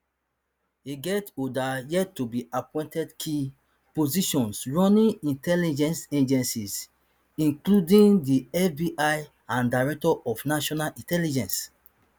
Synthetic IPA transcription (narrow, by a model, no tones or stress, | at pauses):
iɡɛtodajɛtːubiapɔ̃j̃ntɛdkʰi | poziʃɔ̃nsɹɔ̃nĩĩntʰɛlid͡ʒɛ̃nsẽd͡ʒɛ̃nsis | ĩŋkludĩndiɛfbiʔaj | ãndaɹɛk̚tɔʔɔfnaʃɔnalʔĩntɛlid͡ʒɛ̃ns